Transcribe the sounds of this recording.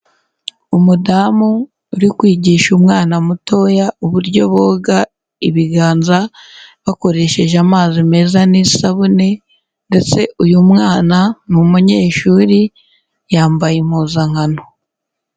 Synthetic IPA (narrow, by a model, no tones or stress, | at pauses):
umudaːmuː | ɾikwiːɟiʃumŋaːnamuto̞jauβuɾɟo̞βoːɡa | iβiɡaːnzaβako̞ɾe̞ːʃe̞ʒamaːzime̞zanisaβune̞ | nde̞t͡se̞ujumŋaːnanumuɲe̞ːʃuɾi | jaːmbajim̥huzaŋ̥hano